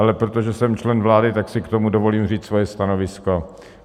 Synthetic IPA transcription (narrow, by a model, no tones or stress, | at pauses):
alɛpɾot̪oʒɛsɛmt͡ʃlɛnvlaːdɪt̪aksɪkt̪o̞mudo̞vo̞liːmriːt͡ssvojɛst̪ano̞vɪsko